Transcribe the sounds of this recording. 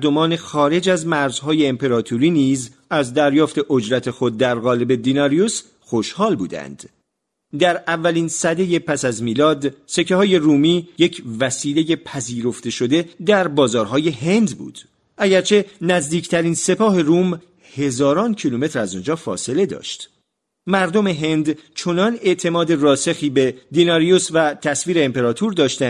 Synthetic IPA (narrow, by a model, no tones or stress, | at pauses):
d̪o̞mɒːne̞xɒːɾe̞d͡ʒæzmæɾzɦɒːje̞ːmpe̞ɾɒːt̪ʰuɾiːniːz | æzd̪æɾjɒːft̪e̞ʔo̞d͡ʒɾæt̪ʰe̞xo̞d̪̚ːæɾɣɒːle̞be̞d̪inɒɾijus | xo̞ʃhɒːlbuːd̪æ̰nd̪̥ | d̪æɾævːæliːnsæd̪e̞je̞pʰæsæzmiːlɒːd̪se̞cʰehɒːje̞ruːmiːje̞cʰvæsiːle̞je̞pʰæziːɾo̞ft̪e̞ʃo̞d̪e̞d̪æɾbɒːzɒːɾɦɒːje̞ɦe̞nd̪bṵːd̪̥ | ʔæɟæɾt͡ʃʰe̞næzd̪iːcʰt̪ʰæɾiːnse̞pʰɒːɦe̞rum | he̞zɒːɾɒːncʰilume̞t̪ʰɾæzond͡ʒɒːfɒ̰ːse̞le̞d̪ɒ̰ːʃt̪ | mæɾd̪o̞me̞ɦe̞nd̪t͡ʃʰo̞nɒne̞ʔt̪ʰe̞mɒːd̪e̞rɒːse̞xiːbe̞d̪inɒːɾijosvæt̪ʰæsviːɾeːmpe̞ɾɒːt̪ʰuːɾd̪ɒːʃt̪ænd̪